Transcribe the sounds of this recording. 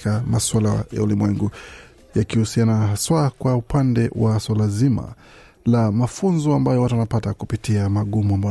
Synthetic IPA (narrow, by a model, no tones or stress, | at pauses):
kamaswalaja̰ulimwɛŋɡu | jakihusianaswakwaupandɛwʔaswalazima̰ | lamafunzɔambajɔwatuwanapatakupitiamaɠumuamba